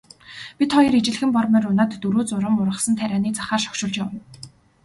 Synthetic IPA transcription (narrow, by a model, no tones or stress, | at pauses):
pʲit̪χɔjɞ̆ɾet͡ɕɪ̆ɮxɘ̆mpɔrmæ̆ːɾʊnaːt̪ːuɾoːt͡sʊɾə̆mʊɾʁə̆χsə̆nt̪ʰæɾʲaːniːt͡sḁχaːrʃɔ̥kʃʊːɮt͡ɕawə̆n